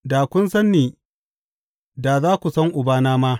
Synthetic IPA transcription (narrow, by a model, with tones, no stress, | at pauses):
daː˨kʷʊ˦nsɐ˦nːiː˨ | da˨zaː˦kʷu˨sɐ˦ŋʔʊ˨baː˦naː˦maː˦